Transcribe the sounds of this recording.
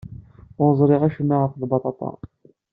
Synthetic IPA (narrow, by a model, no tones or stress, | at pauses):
ʊɾəzˤɾˤiʁæʃənːæʁəɾfðˤbɑt̪ˤɑt̪ˤɑ̰